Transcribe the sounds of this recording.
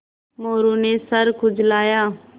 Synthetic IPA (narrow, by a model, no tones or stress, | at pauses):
moːɾunesəɾkʰʊd͡ʒlaːjaː